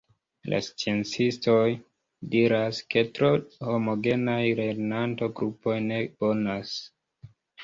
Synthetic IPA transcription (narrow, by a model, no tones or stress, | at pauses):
la̰st͡sient͡sisto̞j | diɾaske̞tɾo̞ho̞mo̞ɡe̞najɾe̞ɾnanto̞ɡɾupo̞jne̞bo̞nas